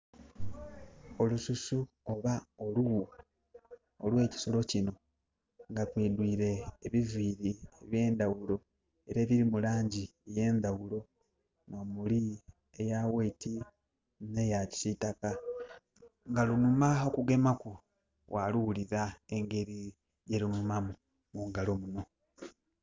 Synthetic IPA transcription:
o̞lususu | oβaolu | olwe̞ːci̥so̞lo̞cino̞ | ŋɡatwiːdwiːɾe̞ːβiviːɾieβje̞ːnd̪awulo̞ | e̞ɾeβiɾimulaːɲɟi | je̞ːnd̪awulo̞ | no̞ːmuli | ejaweiti | ne̞jaci̥sitaka | ŋɡalunumaokuɡe̞maku | wʔaluwuliɾae̞ŋɡe̞ɾi | jelunumamu | muŋɡalo̞muno̞

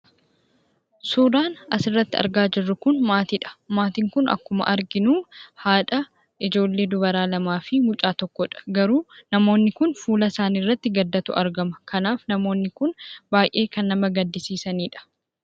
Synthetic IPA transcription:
suːɾaːnɐsɪrːɐt̪ːɪɐ̰ɾɡaːd͡ʒɪrːʊkʊnmaːt̪iᶑɐ̥maːt̪ɪŋkʊnɐ̰kːʊmɐ̰ʔɐɾɡɪnuːhaːᶑɐ | ʔɪd͡ʒo̞ːlːe̞ːd̪ʊbɐɾaːlɐmaːfɪmʊt͡ʃʼaːt̪ɔkːɔᶑɐ̥ɡɐɾuːnɐmo̞ːnːɪkʊnfuːlɐsaːnirːɐt̪ːɪɡɐd̪ːɐt̪ʊ̰ʔɐɾɡɐmɐkʰɐnaːfnɐmo̞ːnːɪkʊnbaːjʔe̞ːkɐnːɐmɐɡɐd̪ːɪsiːsɐniːᶑɐ̥

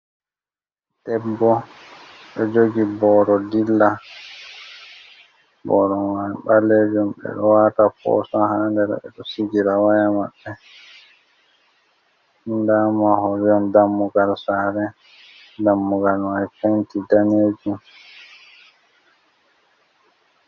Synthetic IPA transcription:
d̥ɛbːɔ | ɓɔd͡ʒoɡibɔɾɔdilːa | bɔɾɔwanɓaled͡ʒumɓɛ̰ɗɔwaːtafɔ̰sɔhandɛɾɛ̰ɓɛ̰ɗɔsiɡiɾawajamaɓːɛ | ndamahɔɾiɔndamːuɡalsaɾɛ | damːuɡalwajfentidaned͡ʒum

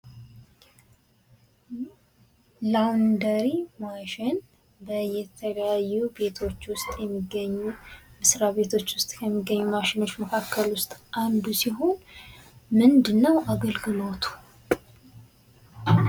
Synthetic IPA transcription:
lawnd̪əɾimaʃɪn | bəjɛt̪ʰələjajːube̞t̪ʰo̞t͡ʃːwʊst̪ʼjɛmːiɡːəɲːumɨsɾaβe̞t̪ʰo̞t͡ʃːwʊst̪ʼkʰəmːiɡːəɲːumaʃɪno̞t͡ʃːməkʰakːəlwʊst̪ʼʔand̪usiɦo̞n | mɨnd̪ɨnːəwʔaɡəlɡɨlo̞t̪ʰu̥

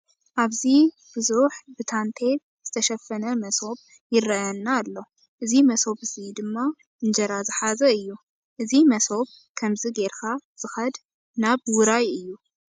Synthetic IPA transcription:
ʔaβzi | bɨzuħbɨt̪ʰant̪ʰe̞ | z̥ɨt̪ʰɐʃɐfːɐnɐmɐso̞β | jɪrɐjanːaːlːo | ʔɨzimɐso̞βɨzid̪ɨmːa | ɨnd͡ʒɐɾazɨħazɐɨjːu | ʔɨzimɐso̞β̚ | kʰɐmziɡeɾkʰaz̥ɨxɐd̪ | naβwʊɾajɨjːu

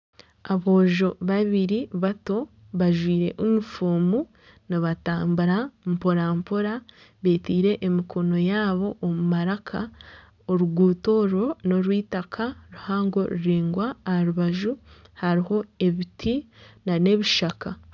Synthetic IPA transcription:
aβo̞ːʒo̞βaβiɾiβato̞ | βaʒwiːɾe̞̰ʔumifuːmu | niβataːmbuɾampo̞ɾampo̞ɾa | βe̞ːtiːɾe̞ʔːmikʰo̞no̞jaːβo̞ʔːmumaɾakʰa | oɾuɡuːto̞ːɾo̞no̞ɾwiːtakʰaɾuhaːŋɡo̞ɾuɾiːŋɡwaːaɾuβaʒuhaɾiho̞e̞βitʰinane̞βiʃaka

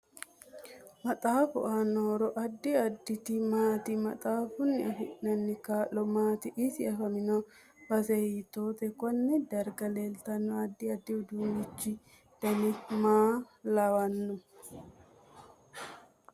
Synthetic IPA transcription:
mɐt̪ʼaːfʊ̰ʔanːoːɾɔʔɐd̪ːɪɐd̪ːɪt̪ɪmaːt̪ɪmɐt̪ʼaːfʊnːɪɐfɪʔnɐnːɪkaːlːɔmaːt̪ɪʔɪsɪɐfɐmɪnɔ | bɐsɛjit̪oːt̪ɛkɔnːɪd̪ɐɾɡɐleːlt̪ɐnːɔɐd̪ːɪɐd̪ːɪʊd̪uːɡɪt͡ʃːɪ | d̪̥ɐnɪmaːlɐwɐnːʊ

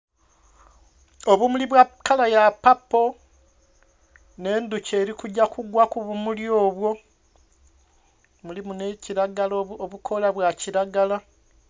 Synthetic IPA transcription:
oβumuliβwakalajapːapːo̞ | ne̞ːnduceːɾikuɟːakuɡwakuβumuljo̞ːβwo̞ | mulimuneciɾaɡalooβukʰo̞laβwaciɾaɡala

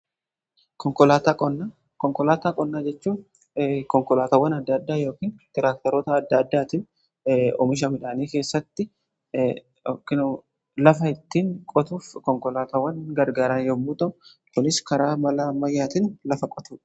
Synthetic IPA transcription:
kɔŋkɔlaːt̪ɐkʼɔnːa | kɔŋkɔlaːt̪akʼɔnːaːd͡ʒɛt͡ʃːuː | kɔŋkɔlaːt̪ɐwːɐnɐd̪ːɐd̪ːaːjo̞ːkiːnt̪ɪɾaːk̚t̪ɐɾɔːt̪ɐːd̪ːɐd̪ːaːt̪ɪn | ɔ̰mɪʃ̬ɐmɪᶑaːniːke̞ːsːɐt̪ːɪ | ɔkːɪnu | lɐfɐɪt̪ːiːŋkʼɔt̪uːfkɔŋkɔlaːt̪ɐwːɐŋɡɐɾɡaːɾɐnjoːmuːt̪ɐ | kʊnɪskɐɾaːmɐlaːmɐjːaːt̪ɪnlɐfɐkʼɔt̪uːᶑɐ̥

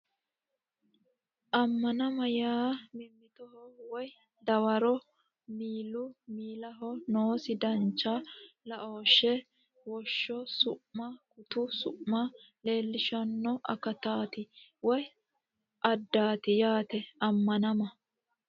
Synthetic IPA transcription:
ʔɐmːɐnɐmɐjaːmɪmːɪt̪ɔhɔwɔj | d̪ɐwɐɾɔ | miːlʊmiːlɐɦɔnoːsɪd̪ɐnt͡ʃːalɐʔoːʃːɛ | wɔʃːɔsʊʔmɐkʊt̪ʊsʊʔmːɐ | le̞ːlːɪʃɐnːɔʔɐ̰kːɐt̪aːt̪ɪwɔj | ʔɐd̪ːaːt̪ɪjaːt̪ɛɐmːɐnɐmɐ

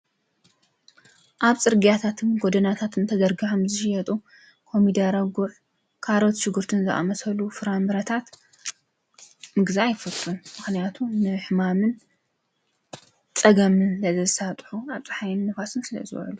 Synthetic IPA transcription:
ʔaβt͡sʼɨɾɡijat̪ʰat̪ʰɨnɡod̪ɐnat̪ʰat̪ʰɨnt̪ʰɐd̪ɐɾɡɨʕamzɨʃɪjɐt̪ʼu | kʰo̞mid̪aɾɐɡuʔ | kʰaɾo̞t̪ʃɪɡɨɾt̪ʰɨnzɨʔa̰mɐsɐlufɨɾambɨɾɐt̪ʰat̪ | mɨɡziajɪfɐt̪ʼːɨnmɨxnijat̪ʰunɨħɨmamɨn | t͡sʼɐɡɐmɨnzɐzɐzɨsat̪ʼħuaβt͡sʼɨ̥ħajɪnnːɨfasɨnsɨlɐ̰zɨ̰wɐ̰lu

